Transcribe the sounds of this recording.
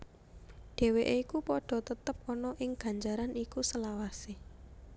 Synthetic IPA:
ɖ̥e̤weʔeikupɔɖ̥ɔ̤t̪ət̪əp̚ɔnɔʔɪŋɡ̥ä̤ɲd͡ʒaɾanikusəlawase

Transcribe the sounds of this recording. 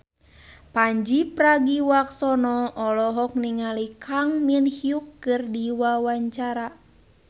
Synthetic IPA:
paɲd͡ʒipɾaɡiwaksɔnɔʔɔlɔɦɔk̚niŋalikʰaŋminhiukːɨrdiwawaɲt͡ʃaɾa

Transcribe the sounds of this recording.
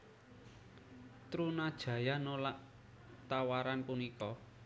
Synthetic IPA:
t̪ɾunad̥ʒ̥ä̤janolaʔ | t̪awaɾanpunikɔ

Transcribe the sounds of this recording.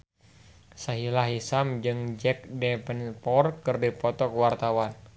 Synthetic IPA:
saɦilaɦisamd͡ʒɨŋd͡ʒɛk̚dɛpənpɔrkɨrdipɔt̪ɔkuwart̪awan

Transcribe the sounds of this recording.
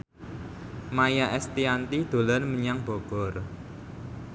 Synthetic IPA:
majaʔɛst̪iant̪id̪̥o̤lɔnməɲaŋb̥o̤ɡ̥ɔr

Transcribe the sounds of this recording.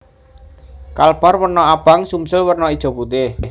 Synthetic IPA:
kalb̥a̤rwərnɔab̥a̤ŋsumsəlwərnɔid̥ʒ̥o̤kut̪ɪ

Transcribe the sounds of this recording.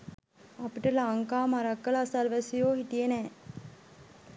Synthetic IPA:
ɐpiʈəlaːŋkaːmaɾɐkːəlːsɐlʋæsijoːɦiʈijenɛː

